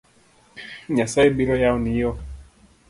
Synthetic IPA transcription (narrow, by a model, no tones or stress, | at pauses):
ɲasaɛbiɾɔjaɔnijɔ